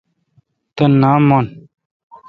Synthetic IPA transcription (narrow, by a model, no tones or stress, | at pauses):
t̪ɐnːaːmːon